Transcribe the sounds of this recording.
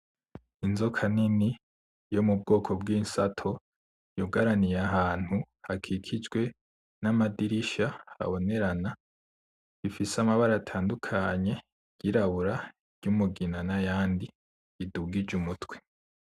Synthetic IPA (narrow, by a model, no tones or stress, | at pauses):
inzo̞kʰanini | jo̞mub̚ɡo̞ːkʰo̞bɡiːnsatʰo̞ | joɡaɾanijaɦaːn̥hu | hakʰikʰid͡ʒɡwe̞ | namadiɾiʃaa̰βo̞ne̞ɾana | ifisamaβaɾaatʰaːndukʰaɲe̞ | ɟ̥iɾaβuɾa | ɾɟumuɡinanajaːndi | iduɡid͡ʒumutwe